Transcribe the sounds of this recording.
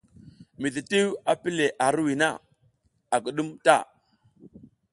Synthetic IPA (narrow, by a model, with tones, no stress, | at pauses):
mi˨ti˨ti˦wa˦pi˦le˨ʔa˨ɾwi˨na˦˨ | a˨kə˨ɗu˦mta̰˦˨